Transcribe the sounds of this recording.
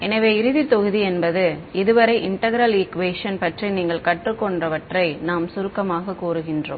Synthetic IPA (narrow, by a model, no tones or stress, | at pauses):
ɛnɐʋeːɪɾɯðit̪ɔɣɯðiɛnbɐðɯɪðɯʋɐɾɐɪʔɪɳʈɐɣɐɾɐliːkʋeːʂɐnpɐʈriniːŋɡɐɭkɐʈrɯkːɔɳɖrɐʋɐʈrɐɪnaːmsʊɾɯkːɐmaːɣɐkːuːɾɯɣɪndro̰ːm